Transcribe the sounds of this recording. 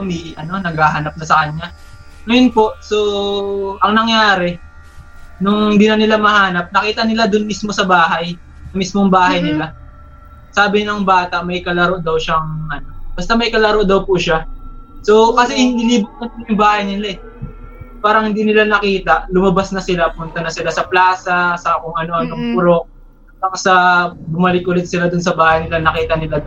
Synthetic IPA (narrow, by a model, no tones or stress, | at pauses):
ɐmiʔɐno̞nɐɡhaːɦɐnɐp̚nɐsɐkɐɲːa | nɐjʊnpo̞ʔso̞ | ʔɐŋnɐŋjaːɾɛ | nʊŋhhɪnd̪iːnɐnɪlamɐhaːnɐp̚nɐkiːt̪ɐnɪlad̪ʊnmismo̞sɐbaːɦɐj | sɐmismoŋbaːhɐjnɪla | saːbɪnɐŋbaːt̪ɐʔmɐjkɐlɐɾo̞ʔd̪ɐwʃaŋʔɐno̞b̥ɐst̪amɐjkɐlɐɾoʔd̪ɐwpʊʃaso̞kɐsɛhɪniliːbʊt̪̚kɐnɪljʊŋbaːhɐjnɪlaʔɛ | paːɾɐŋhɪnd̪inɪlanɐkiːt̪ɐʔlʊmɐbasnɐsɪlapʊmʊnt̪ɐnɐsɪlasɐplaːsɐsɐʔkʊŋʔɐno̞ʔɐnoŋpʊɾok̚ | ɐksɐbʊmɐlɪk̚ʔʊlɛd̪t̪̚sɪlad̪ʊns̬ɐbaːhɐjnɪlanɐkiːt̪ɐnɪlad̪